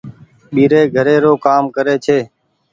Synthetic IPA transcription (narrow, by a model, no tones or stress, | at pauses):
ɓiːɾeːɡʱəɾeːɾoːkaːmkəɾeːt͡ʃʰeː